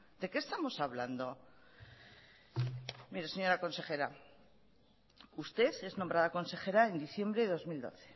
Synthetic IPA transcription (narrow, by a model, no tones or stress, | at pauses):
d̪e̞ke̞st̪amo̞saβla̰nd̪o̞ | miɾese̞ɲo̞ɾako̞nse̞xe̞ɾa | ust̪e̞θe̞znõ̞mbɾaðako̞nse̞xe̞ɾae̞nd̪iθje̞mbɾe̞ðeðo̞zmild̪o̞̰θe̞̥